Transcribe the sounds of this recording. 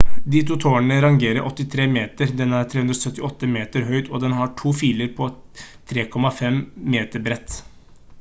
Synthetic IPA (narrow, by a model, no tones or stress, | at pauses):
d̪ɪt̪ʰuːt̪ʰoːəɳəɾɑŋɡeːɾəɾʔɔt̪ːɪt̪ʰɾeːmeːt̪əɾd̪ɛnːəæɾtʰɾeːʉnɾɔsœt̪ːɪɔt̪ːəmeːt̪əɾɦœʏt̪ɔd̪ɛnɦɑʈʰuːfiːləɾpʰɔ | t̪ʰɾeːkʰɔmɑfɛmmeːt̪əɾbɾɛt̪ː